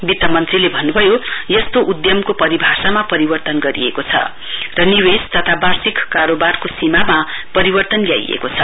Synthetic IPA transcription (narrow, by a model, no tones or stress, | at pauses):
bit̪ːʌmʌnt̪rilebʱʌnːubʱʌjojʌst̪oʔud̪jʌmkopʌɾibʱasamapʌɾibʌrt̪ʌnɡʌɾiḛkot͡sʰʌ̰ | rʌniwest̪ʌt̪ʰabarsikːaɾobarkosimamapʌɾibʌrt̪ʌnlja̰j̰ḛkot͡sʰʌ